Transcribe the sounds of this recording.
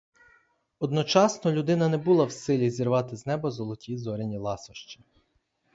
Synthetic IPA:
ɔd̪nɔt͡ʃɑsnɔlʲud̪ɪnɐnɛbulˠɑwsɪlʲizʲirʋɑt̪ɪznɛbɐzɔlˠɔtʲizɔɾʲenʲilˠɑsɔʃt͡ʃɐ̥

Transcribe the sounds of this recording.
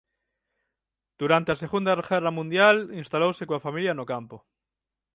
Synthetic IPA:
d̪̥uɾant̪easeɣund̪arxeramũnd̪jalinst̪alowsekoafamiljanokampo

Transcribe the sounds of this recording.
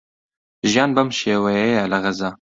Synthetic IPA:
ʒijɑːnbɐmʃeːwɛjɛjɛlɐɣɐzɑː

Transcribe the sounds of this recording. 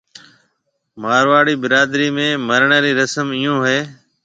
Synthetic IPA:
maːɾʋaːɽiːbɪɾaːd̪ɾiːmẽːməɾɳəːɾiːɾəsəmɪjõːɦeː

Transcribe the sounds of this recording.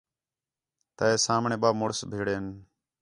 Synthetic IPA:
t̪əːeːsaːmɳẽːɓaːmoɽsbʱeːɽeːn

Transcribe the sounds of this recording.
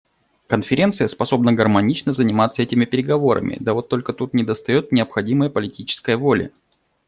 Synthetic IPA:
kənfʲɪɾʲe̞nt̪sɨjəspɐso̞bnəɡərmɐnʲit͡ɕnəzənʲɪmat̪səɛtʲɪmʲɪpʲɪɾʲɪɡɐvo̞ɾʔə̰mʲʔɪ̰d̪əvo̞t̪ːo̞lʲkət̪ut̪nʲɪd̪əst̪ɐjo̞t̪̚nʲɪəpxɐdʲiməjəpəlʲɪtʲit͡ɕɪ̥skəjəvo̞lʲɪ̰

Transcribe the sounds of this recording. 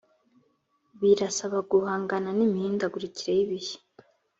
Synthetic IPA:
βiɾasaβaɡuhaːŋɡananimiːndaɡuɾiciɾejiβihe̥

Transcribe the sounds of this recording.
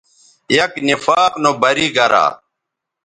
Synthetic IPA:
jɐknifaːqnobɐɾiːɡɐɾa̰ː

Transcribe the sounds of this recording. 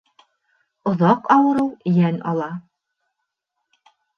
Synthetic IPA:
ŏðɑqɑwɤ̆ɾɤwjænɑ̰lˠɑ

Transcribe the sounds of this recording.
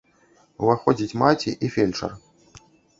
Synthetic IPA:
uvaxɔd͡zʲit͡sʲmat͡sʲḭʔifʲelʲt͡ʂɐ̰r

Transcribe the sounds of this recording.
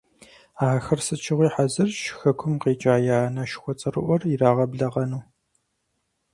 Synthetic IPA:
aːxɐrsɨt͡ʃʰɪʁʷiːħazɨrʃxɐkʷʰʊmqeːt͡ʃʼaːjaːnɐʃɪ̥xʷɔt͡sʼɨrɨ̰ʔʷɔriraːʁɐbɮɐʁɐnuː

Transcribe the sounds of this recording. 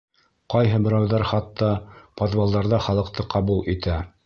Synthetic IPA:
qɑjɦɤbɘ̆ɾæwðɑɾχɑt̪ːɑpod̪valˠd̪ɑɾðɑχɑlˠɤ̆qt̪ɤqʰɑβulˠit̪æ

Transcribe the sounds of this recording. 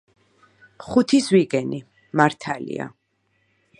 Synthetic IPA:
χut̪ʰiswiɡɛni | maɾt̪ʰalḭa̰

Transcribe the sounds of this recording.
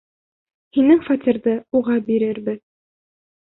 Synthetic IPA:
hinɘŋfɑt̪ʲiɾðɤuʁɑbiɾɘɾbɘð

